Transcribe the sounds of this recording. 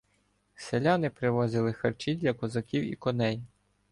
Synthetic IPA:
selʲanɪpɾɪʋɔzɪlˠɪxɐrt͡ʃidʲlʲɐkɔzɐkʲiwḭkɔnɛj

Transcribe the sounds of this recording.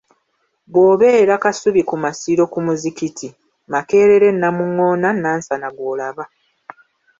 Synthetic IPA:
bwo̞ːβe̞ːɾakasuβikumasiɾo̞kumuzikitʰi | make̞ːɾe̞ɾe̞nːamuŋːo̞ːnanːansanaɡwoːlaβa

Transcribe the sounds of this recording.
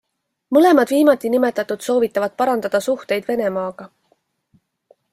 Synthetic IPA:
mɤle̞mɑd̪viːmɑt̪ːˑinime̞t̪ːˑɑt̪ːˑud̪̥so̞ːvit̪ːˑɑvɑd̪̥̚pɑɾɑnd̪̥ɑd̪̥ɑsuht̪e̞jd̪̥ve̞ne̞mɑːɡ̥ɑ

